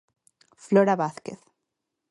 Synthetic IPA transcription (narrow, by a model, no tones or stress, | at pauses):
floɾaβaθkeθ